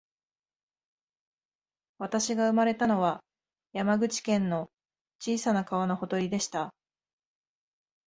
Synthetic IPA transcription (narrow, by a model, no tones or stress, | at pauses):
βat̪aɕiɡaɯ̟maɾe̞t̪ano̞βa | jamaɡɯ̟t͡ɕi̥kẽ̞nːo̞ | t͡ɕiːsanakaβano̞ho̞t̪o̞ɾʲid̪e̞ɕi̥t̪a